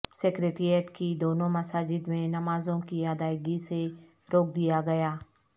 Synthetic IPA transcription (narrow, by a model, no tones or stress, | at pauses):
seːkɾeːʈɾijeʈkid̪oːnõmɐsaːd͡ʒɪd̪mẽnɐmaːzõkiaːd̪aːɪɡise | ɾoːk̚d̪ijaɡɐjaː